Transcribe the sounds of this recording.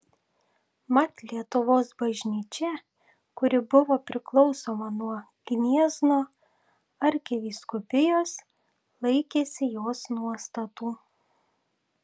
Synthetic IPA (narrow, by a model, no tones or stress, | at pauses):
mɐt̪ʲlʲiɛt̪ʊʋoːsbɐʒʲnʲiːt͡ʃʲɛ | kʊɾʲɪbʊʋoːpʲɾʲɪklˠɒʊsoːmɐnuɔ | ɡ̥ʲnʲiɛznoː | ɐɾʲkʲɛʋʲiːskʊpʲɪjoːs | lˠɐɪkʲeːsʲɪjoːsnuɔst̪ɐt̪uː